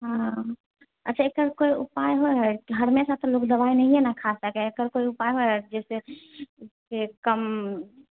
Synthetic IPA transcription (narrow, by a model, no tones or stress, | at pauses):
ɦã | ətːʃʰaekəɾkoiʊpajɦoɦɛɦəɾmesat̪ɔloːkd̪əbainəɦĩɦɛnakʰasəkɛekəɾkoiʊpajɦoɦɛd͡ʒɛːse | kekəm